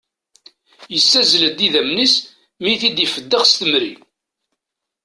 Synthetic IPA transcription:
jəsːæzləd̪iðæmnis | miθid̪jəfəd̪ːəʁst̪əmɾḭ

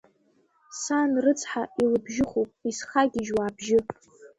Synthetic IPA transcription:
sanrɨt͡sʰħailɨbʒɪχopʼisχaɡʲɪʒwaːbʒɪ

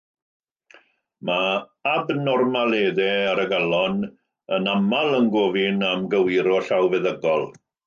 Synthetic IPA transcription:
maabnɔrmaleːðɛaɾəɡalˠɔn | ənamalˠənɡoːvɪnamɡəwɪɾɔɬawvɛðəɡɔlˠ

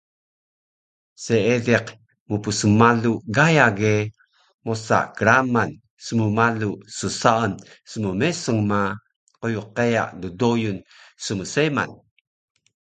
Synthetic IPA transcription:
seedeq | mupusəmaluɡajaɡe | mosa̰ʔkəɾaman | səmumalusəsaən | səməmesəŋma | qojuqeja̰ʔdudojunsəməsema̰n

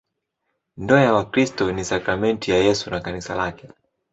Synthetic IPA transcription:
ndɔjawakɾistɔnisakɾamɛntijajɛsunakanisa̰lakɛ

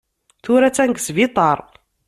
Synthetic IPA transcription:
θuɾæt͡sːænɡsvit̪ˤɑɾˤ

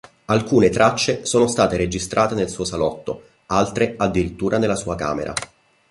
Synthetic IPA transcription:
alkuːnet̪ɾʔat͡ʃːesoːnost̪aːt̪eɾed͡ʒist̪ɾʔaːt̪enelsuːosalɔt̪ːo̰ | alt̪ɾead̪ːiɾit̪ːuːɾanelːasuːaka̰ːmḛɾʔa̰

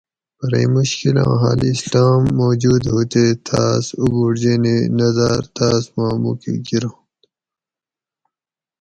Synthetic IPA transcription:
pɐɾḛmuɕkilã̰ːɦa̰lislaːmːoːd͡ʑuːd̪ɦoːt̪et̪ʰaːsubuɾd͡ʑeːnenɐzaːɾt̪ʰaːsmaːmuːkḭɡiɾã

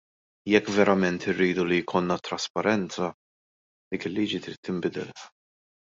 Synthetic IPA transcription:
jɛkːvɛɾɐmɛnt̪ɪrːiːd̪ulijkʰɔnːɐt̪ːɾɐspɐɾɛnt͡sɐ | d̪̥iːkɪlːiːd͡ʒit̪ɾiːt̪ːɪmbɪd̪ɛ̰l

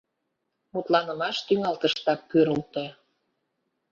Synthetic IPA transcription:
mut̪lɑnəmɑʃt̪yŋɑlt̪əʃt̪ɑkːøɾəlt̪e

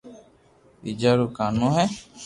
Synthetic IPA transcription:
ḭd͡ʒaɾukanũɦɛ

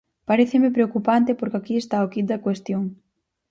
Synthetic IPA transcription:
paɾeθemɪpɾeokupant̪ɪpoɾkakiest̪aokit̪̚d̪ɐkwest̪joŋ

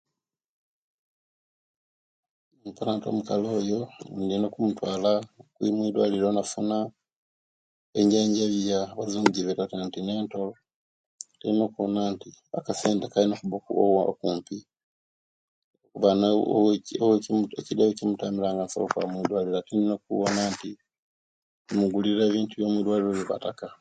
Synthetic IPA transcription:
mpalaːnto̰mukalo̞ːjo̞ndinokumutwaːlakwimwiːdwaliɾonafuna | eɲɟaːɲɟaβjaβazuːɲɟiβetatantineːntolo | teinokonaːntia̰kaseːntekalinokuβokuo̰w̰kuːmpi | okuβana | weecidawecimutamiɾaːŋɡanso̰lokwa̰mwiːdwaliɾatindinok̚uwonaːnti | muɡuliɾeːβiːntuβjomwiːdwaliɾoβiβa̰taka

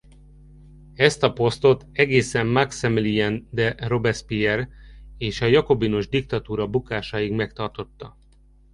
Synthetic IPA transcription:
ɛst̪ɒpo̞st̪o̞t̪ɛɡeːsɛmːaksɛmliɛnd̪ɛro̞bɛrspiɛreːʃɒjɒko̞bino̞ʒd̪ik̚t̪ɒt̪uːɾɒbukaːʃaːjiɡmɛkt̪ɒrt̪o̞t̪ːɒ

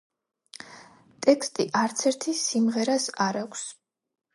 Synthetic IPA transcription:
t̪ʼɛkʰst̪ʼiʔaɾt̪sʰɛɾt̪ʰisimʁɛɾasaɾakʷʰs

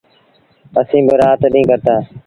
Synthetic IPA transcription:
əsĩːbɪɾaːt̪ɗĩːkəɾt̪aː

